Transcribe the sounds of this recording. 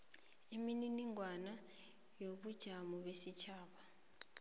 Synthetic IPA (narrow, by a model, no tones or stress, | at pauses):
imininiŋwana | joɓud̥ʒ̥ʱamɔɓesit͡ʃʰaːɓa